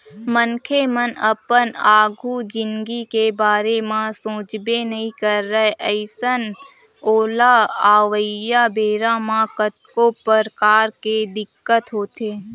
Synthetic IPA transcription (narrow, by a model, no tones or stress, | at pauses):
mənkʰemənəpənaːɡʱud͡ʒɪ̃nɡikebaːɾemãsõːt͡ʃbenəɦĩkəɾːəɦeʔəɪsən | oːlaaːʋəjabeːɾamãkət̪kopəɾkaːɾked̪ɪkːət̪ɦoːt̪eː